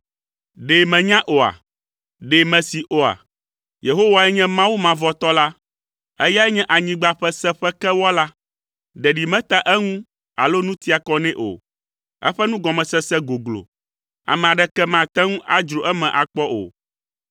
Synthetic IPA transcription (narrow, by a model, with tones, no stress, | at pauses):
ɖe˨mɛ̃˨ɲã˦ʔo˨a̰˨ | ɖe˨mɛ̃˨si˨ʔo˨a̰˨ | je˨ɦo˦wa˨ɛ˦ɲɛ̃˦mã˦wu˦mã˨vɔ˦t̪ɔ˦la˦ | ɛ˦ja˦ɛ˦ɲɛ̃˦ʔa˨ɲĩ˨ɡ͡ba˦ɸɛ˦sɛ˦ɸɛ˦kɛ˦wɔ˦la˦ | ɖɛ˨ɖi˨mɛ̃˦t̪a˦ʔɛ˦ŋũ˦ | a̰˨lo˦nũ˦t̪i˦a˨kɔ˦nɛ̃˦ʔo̰˨ | ɛ̰˦ɸɛ˦nũ˦ɡɔ˨mɛ̃˨sɛ˦sɛ˦ɡo˨ɡlo̰˨ | a̰˨mɛ̃˨a˨ɖɛ˦kɛ˦mã˨t̪ɛ˦ŋũ˦ʔa̰˦d͡ʒɾo˨ʔɛ˦mɛ̃˨ʔa˨k͡pɔ˦ʔo̰˨